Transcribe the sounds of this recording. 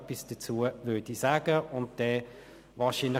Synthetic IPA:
pisd̥ət͡suːəvøːɐd̥isaːɡ̥əʊnt̚d̥ɛː | vɑːʃiːnlɪ

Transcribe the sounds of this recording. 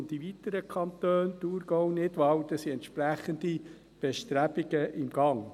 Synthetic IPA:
ntdivit̪əɾəkʰɑnt̪øːnt̪uːɾɡɔwnɪdʋɑwd̪əsiɛntʃpræχənd̪i | b̥ɛʃt̪ɾæbɪɡəʔɪmɡɑŋ

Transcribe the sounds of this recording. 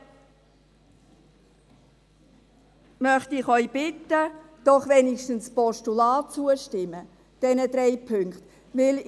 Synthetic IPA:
mœχtɪχœʏb̥ɪtːə | d̥ɔχʋɛnɪʃtən̩spɔʃtulaːt͡suəʃtɪmə | d̥ɛnədɾɛɪpʰʏŋkt | ʋɪl

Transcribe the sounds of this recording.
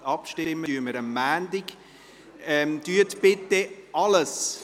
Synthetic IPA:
ɑpʃtɪɪmːyəməɾəmːæːndɪɡ | ɛmd̥yətbɪtːeʔɑləs

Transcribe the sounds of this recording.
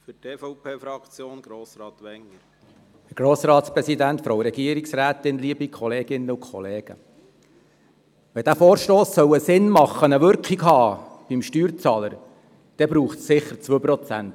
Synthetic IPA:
fytʰeːfɔʊpʰeːfɾɑkt͡sjoːnɡ̥ɾoːsɾɑːt̪ʋɛŋəɾ | hɛɾɡ̥ɾoːsɾɑːt̪spɾɛsid̪ænt̪fɾoʊɾɛɡ̥iəɾiksræːt̪ɪnliːbikʰχɔleːɡɪnːəʊkʰχɔ̰leːɡ̥ə̰ | ʋɛd̥̪æːfoːɾʃtoːsːœwəsɪnmɑχːənəʋʏɾkχikɦɑːb̥imʃtyːɾt͡sɑləɾ | d̥ɛbɾuːχtsːɪχːəɾt͡sʋøːpɾɔt͡sæ̰nt̪

